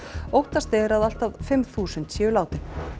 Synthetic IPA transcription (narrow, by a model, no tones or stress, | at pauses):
owht̪ast̪ɛɾaðal̥t̪aðfɪmθuːsʏnt̪sjɛːʏlaːwt̪ɪ̥